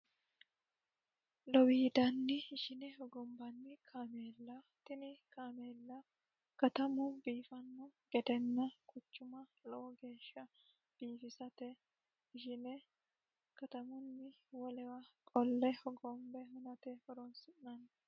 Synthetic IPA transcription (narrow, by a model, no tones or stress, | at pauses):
lɔwiːd̪ɐnːɪːʃɪnɛhɔɡɔmbɐnːɪkʰaːmeːlːɐ | t̪ɪnɪkaːmeːlːɐ | kɐt̪ɐmʊbiːfɐnːʊɡ̥ɛd̪ɛnːɐkʰʊt͡ʃːʊmɐlɔʔɔɡe̞ːʃːɐ | b̥iːfɪsɐt̪ɛ | ɪʃɪnɛ | kɐt̪ɐmʊnːɪwɔlɛwɐkʼɔlːɛhɔɡɔmbɛhʊnɐt̪ɛhɔɾɔnsɪʔnɐn